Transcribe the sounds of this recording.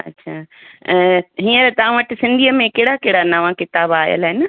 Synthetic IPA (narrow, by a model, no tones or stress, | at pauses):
ɐ̰tːɕʰaː | ɦĩːə̃ɾet̪ɐʋ̤ãʋəʈɪsɪ̃nd̪ʱiəmẽkeɦɪɽakeɦɽanaʋãkɪt̪aːbaːjə̰lɦɪn